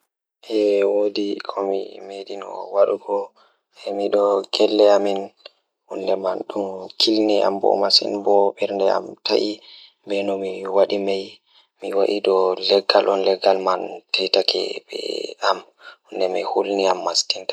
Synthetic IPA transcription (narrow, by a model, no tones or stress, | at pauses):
ʔɛwodikʰɔmḭmeɗinɔ̰waɗuɡɔ | ɛmiɗɔɡɛlːɛamin | hundɛmanɗumkʰilnia̰mbɔ̰masḭnbɔɓɛɾndɛa̰mtʰaʔi | mbɛnɔmiwaɗimaj | miwaʔiɗɔlɛɡːalʔɔnlɛɡːalmantʰɛtakʰɛ̰bɛ̰am | hundɛmɛhulniamːastinta